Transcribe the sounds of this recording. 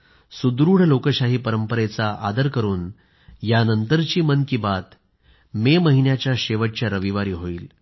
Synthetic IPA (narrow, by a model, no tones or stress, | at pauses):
sud̪ɾuːɽ̤lokəɕaɦiːpəɾəmpəɾet͡saʔad̪əɾkəɾuːn | janənt̪əɾt͡ɕiːmənkiːbat̪ | meməɦinjat͡ɕjaɕeʋəʈ̚t͡ɕjaɾəʋiʋaɾiːɦoiːl